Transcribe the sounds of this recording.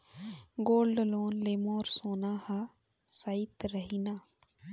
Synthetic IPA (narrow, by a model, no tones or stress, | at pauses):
ɡoːlɖloːnleːmoːɾsoːnaːha | saɪt̪ɾəɦinaː